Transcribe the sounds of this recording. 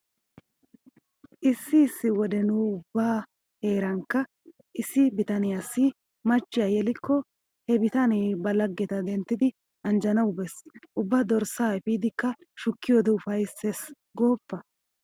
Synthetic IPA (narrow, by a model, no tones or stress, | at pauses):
ʔɪsːɪːsːɪwɔd̪ɛnʊʊbːaː | he̞ːɾɐŋkːɐ | ʔɪsːɪbɪt̪ɐnɪjasːɪ | mɐt͡ʃːɪjɐjɛlɪkːɔ | hɛbɪt̪ɐnɛjbɐlɐɡːɛt̪ɐd̪ɛnt̪ːɪd̪ɪ | ɐnd͡ʒɐnɐwʊbɛsʔʊbːad̪ɔɾsaːɛfiːd̪ɪkːɐ | ʃʊkːɪjoːd̪ɛʊfɐjses | ɡo̞ːpːɐ